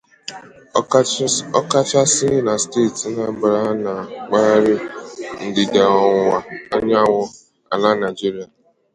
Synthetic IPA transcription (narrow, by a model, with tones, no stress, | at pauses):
ɔ˦ka˦t͡ʃa˦sɪ˦na˨ste˦˨tna˨˦bɾa˦na˨k͡pa˦ɾɪ˦n̩˨dɪ˨da˨ɔ˨ŋa˨a˦ɲa˦ŋʷɔ˦ | a̰˨la˦na˨ɪ˨d͡ʒi˦ɾi˦a˨